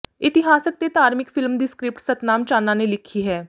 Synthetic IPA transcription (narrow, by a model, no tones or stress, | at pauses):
ɪt̪ɪɦaːsək̚d̪eːt̪aːɾmɪkfʰɪlmd̪iːskɾɪp̚ʈsət̪naːmt͡ʃaːnːãːneːlɪkʰːiːɦɛː